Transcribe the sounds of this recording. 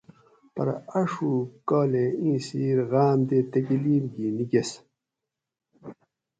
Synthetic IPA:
pɐ̰ɾɐʂuːkoːleĩːsiːɾɣaːmd̪eːt̪ɐkiliːmɡiːniɡes

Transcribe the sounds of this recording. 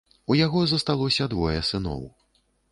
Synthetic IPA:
ujaɣɔzɐst̪alˠɔsʲɐd̪vɔjɛsɨnɔ̰w

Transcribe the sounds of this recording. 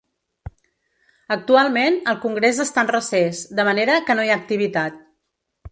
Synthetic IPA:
ək̚t̪ualˠmenəlˠkuŋɡɾezəst̪anrəsezd̪əməneɾəkənojaːk̚t̪iβ̞it̪at̪̚

